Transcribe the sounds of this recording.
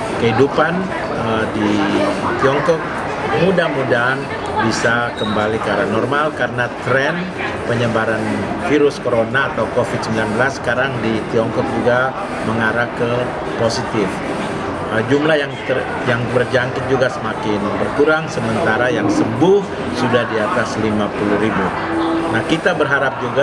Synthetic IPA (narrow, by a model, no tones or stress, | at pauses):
kəidupan | ədit̪iɔŋkɔk̚ | mudahmudaɦːn | bisakəmbalikaɾanɔrmalkaɾənat̪ɾɛn | pəɲəbaɾanfiɾʊskoɾonaːt̪awkofɪd̪̚səmbilanbəlasːə̥kaɾaŋdit̪iɔŋkɔk̚d͡ʒuɡa | məŋaɾakə | posit̪ɪf | əd͡ʒumlahjaŋt̪ə | jaŋbərd͡ʒaŋkɪt̪̚d͡ʒuɡasəmakɪnbərkuɾaŋsəmənt̪aɾajaŋsəbʊh | sudahdiat̪aslimapuluhɾibu | nahkit̪abərɦaɾap̚d͡ʒuɡa